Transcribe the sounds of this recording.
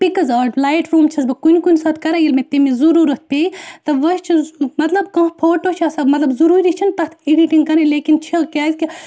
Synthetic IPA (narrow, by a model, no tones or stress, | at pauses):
pikɐzaːɖlaːjʈɾuːmt͡ʃʰɐsbɐkunʲkunʲsɐːt̪kɐɾaːjilmet̪emizuɾuːɾɐt̪̚ʰpet̪ɐʋɐst͡ʃʰimɐt̪lɐbkɐ̃pʰoːʈot͡ʃʰɐsɐmɐt̪lɐbzuɾuːɾit͡ʃʰint̪ɐt̪ʰiɖiʈiŋɡkɐɾeleːkint͡ʃʰikʲaːzʲki